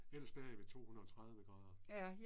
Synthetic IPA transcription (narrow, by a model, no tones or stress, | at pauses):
el̰ɐsb̥ɛɐ̰iʋe̝t͡sʰo̝̰ːhunɐɒt͡sʰʁɑ̈ðˠʋəɡ̥ʁɑ̈ːð̞ˠɐ